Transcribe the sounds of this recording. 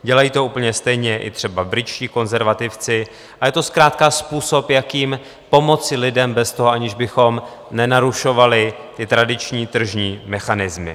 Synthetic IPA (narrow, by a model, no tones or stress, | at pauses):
ɟɛlajiːt̪o̞uːpl̩ɲɛst̪ɛjɲɛʔɪ̰t̪r̥ɛbabɾɪt͡ʃciːko̞nzɛɾvat̪ɪft͡sɪ | ajɛt̪o̞skɾaːt̪kaspuːso̞pjakiːm | po̞mo̞t͡sɪlɪdɛmbɛst̪oɦoʔaɲɪʒbɪxo̞m | nɛnaɾuʃo̞valɪ | t̪ɪt̪ɾadɪt͡ʃɲiːt̪r̩ʒɲiːmɛxanɪzmɪ̰